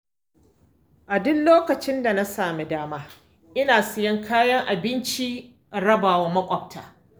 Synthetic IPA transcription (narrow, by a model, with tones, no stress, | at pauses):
ʔa˨dʊ˦nloː˦kɐ˨t͡ʃɪ˦nda˨na˦saː˨me˦daː˦maː˦ | ʔɪ˦naː˨sɪ˨jɐ˦ŋkʰaː˦jɐ˦ŋʔa˨bɪ˦nt͡ʃi˦˨ | ɽɐ˦baː˨waː˦mɐ˦kʷʼɔ˨b̚tʰaː˨